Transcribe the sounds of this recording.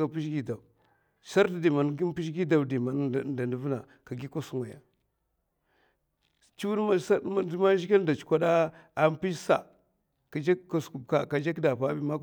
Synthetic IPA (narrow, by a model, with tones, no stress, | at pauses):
a˨pi˦ʃ̬ɡi˦da˨ | sa˦ɾda˨di˨ma˨nɡi˦pi˦ʃ̬ɡi˦da˨wdi˨ma˨n˦˨da˨ndu˨vna˨ | ka˨ɡi˦ko˦su˦ŋwa˨ja̰˨ | t͡ʃi˦wu˦da˦sa˦˨dma˦ʒi˦ka˦n˦da˨t͡ʃu̥˨kʷa˦da˦a˦m˦pi˦ʃsa̰˨ | ka˨d͡ʒa˦a˨sku˨ka˨ka˨d͡ʒa˦kda˨pa˦bi˦ma˦